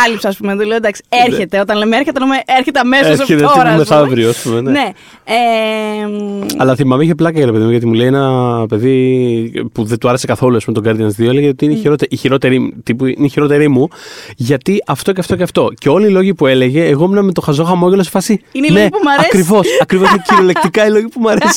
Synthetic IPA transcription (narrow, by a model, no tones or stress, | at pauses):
ɐlipsɐspumenɐt̪oleod̪ɐksi̥eɾçet̪e̞ot̪ɐnlemeeɾçet̪enmeeɾçet̪eɐmeseɾsçet̪eɾɐmeθɐvevɾioɐspumenene | e | ɐlɐθimɐmeiçeplɐkɐʝɐɾe̞peðimuʝɐt̪imule̞ienɐpe̞ði | puðent̪uɐɾese̞kɐθo̞luɐspumet̪oɡɐɾðiɐnɐst̪ðioeleʝeot̪iineçiɾo̞t̪eʔiçiɾo̞t̪e̞ɾit̪ipuḭneçiɾo̞t̪e̞ɾimuʝɐt̪iʔɐft̪oceɐft̪o̞ceɐft̪oceo̞liːlo̞ʝipue̞le̞ʝe̞ːɣominɐmet̪oxɐzo̞xɐmoʝelosefɐsiineinoeipumɐɾɐekɾivo̞sɐkɾivo̞sineciɾolek̚t̪ikɐiloʝipumuɐɾesi